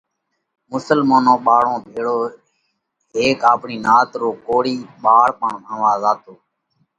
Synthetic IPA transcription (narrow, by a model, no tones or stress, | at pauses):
mʊsəlmaːnõːɓaːɽõːbʱeːɽoː | ɦeːkaːpɳiːnaːt̪ɾoːkoːɽiːɓaːɽpəɳə̃ːʋaːzaːt̪oː